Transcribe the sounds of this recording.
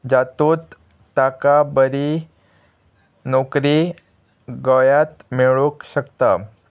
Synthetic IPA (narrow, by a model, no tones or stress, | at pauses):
d͡ʑat̪ut̪ː | akabəɾi | nokɾi | ɡəjat̪meɭukɕəkt̪a